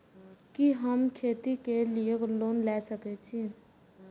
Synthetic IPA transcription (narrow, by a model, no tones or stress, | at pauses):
kiɦəmkʰeːt̪ikeliekloːnlɛsəkɛt͡ʃʰi